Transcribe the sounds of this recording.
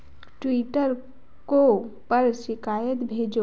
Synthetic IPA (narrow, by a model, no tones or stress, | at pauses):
ʈwiːʈəɾ | kopəɾʃɪkaːjət̪bʱeːd͡ʒo